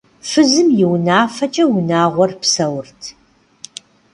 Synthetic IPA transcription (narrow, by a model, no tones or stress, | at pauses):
fɨzɨmjɪwnaːfɐt͡ʃʼɐwʊnaːʁʷɔrpsɐwrtʰ